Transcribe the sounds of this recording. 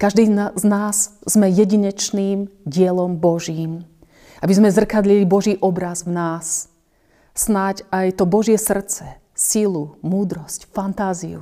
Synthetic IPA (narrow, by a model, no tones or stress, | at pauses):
kaʒd̪iːznaːzz̥mɛjɛɟiɲɛt͡ʃniːmɟɪɛlɔmbɔʒiːm | abizmɛzr̩kad̪lilibɔʒiːʔɔbɾazvnaːs | snacajt̪ɔbɔʒɪɛsr̩t͡sɛ | silumuːd̪ɾɔscfant̪aːzḭṵ